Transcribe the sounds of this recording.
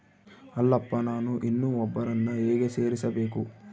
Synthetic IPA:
ɐlːɐpːɐnaːnuʔinːuːɔbːɐɾɐnːɐeːɡese̞ːɾisɐbe̞ːku

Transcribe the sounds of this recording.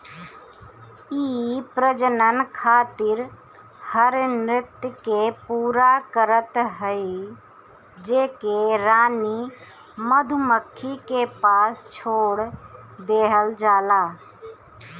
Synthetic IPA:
iːpɾəd͡ʒənənkʰaːt̪ɪɾ | həɾnɾɪt̪jəkepuːɾakəɾət̪ɦəi | d͡ʒeːkeɾaːni | məd̪ʱuməkʰːikepaːst͡ʃʰoːɽd̪eːɦəld͡ʒaːlaː

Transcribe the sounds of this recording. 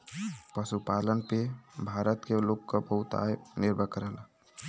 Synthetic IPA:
pəsupalənpebʱaɾət̪kelokːəbəɦut̪a̰niɾbʱəkəɾəl

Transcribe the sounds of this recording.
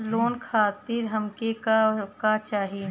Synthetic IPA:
loːnkʰaːt̪iːɾɦɐmkekkat͡ʃaːɦi

